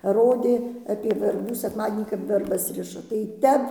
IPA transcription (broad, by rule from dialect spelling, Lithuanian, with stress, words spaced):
ˈroːdʲeː ɐpʲiɛ ʋʲɛrˈbuː sʲɛkˈmɑːdʲiɛnʲiː kɐp ʋʲɛrˈbɐs ˈrʲɪʃɐ tɐɪ ˈtʲɛp